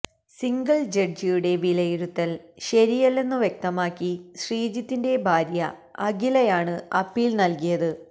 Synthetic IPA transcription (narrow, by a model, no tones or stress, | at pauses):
siŋɡɐɭd͡ʑɐrd͡ʑijuɽe̞ʋilɐjiɾut̪ːɐlɕɐɾijɐlːe̞nːuʋjek̚t̪ɐmaːkːiɕriːd͡ʑɐt̪ːinde̞bʱaːɾjɐ̰ɐɡilɐjaːɳɨɐpːilnɐlkijɐðɨ